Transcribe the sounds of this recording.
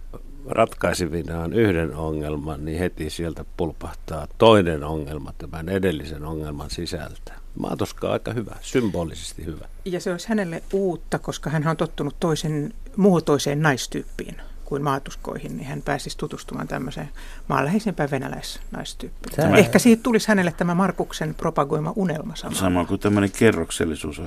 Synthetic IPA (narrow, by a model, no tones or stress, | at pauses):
rʔɑt̪kɑisiʋinɑːnyhdenoŋːelmɑnnihet̪isielt̪æpulpɑht̪ɑːt̪oinenoŋːelmɑt̪æmænedelːisenoŋːelmɑnsisæ̰lt̪æ̥ | mʔɑ̰ːt̪uskˑɑ̰ːɑ̰ikɑhyʋæ̰symboːlisest̪ihyʋæ | jɑseoisʲhænelːeʔʔuːt̪ːɑkoskɑhænhænont̪ot̪ːunut̪t̪oisen | muot̪oiseːnnɑist̪yːpːḭːn | kuinmɑːt̪usko̰ihinnihænpæːsist̪ut̪ust̪umɑ̰ːnt̪æ̰mːøsḛː | mɑ̰ːlːæheisempæːʋʋenæ̰læ̰is | nɑ̰ist̪yːpːiæehkæsiːht̪t̪ulishænelːet̪t̪æmæmɑrkuksenpropɑɡoimɑʔunelmɑsɑnsɑnokut̪æmːønekerːoksḛlːisṵːso